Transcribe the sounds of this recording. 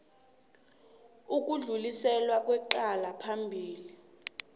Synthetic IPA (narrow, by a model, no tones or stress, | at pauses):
uk̬uɮulisɛlwak̬ʼwɛǃalapʰambʱiːli